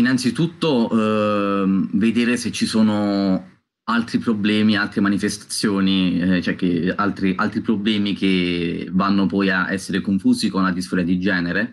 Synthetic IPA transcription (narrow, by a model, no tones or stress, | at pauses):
inant̪sit̪ut̪ːo | ved̪eːɾeset͡ʃːisoːno | alt̪ɾipɾoblɛːmialt̪ɾemanifest̪ḁt̪sːjoːnit͡ʃoɛk̟ːealt̪ɾiʔalt̪ɾipɾoblɛːmik̟evanːopɔjaɛ̰sːeɾekoɱfuːzikonlad̪isfɔɾjad̪id͡ʒɛːneɾe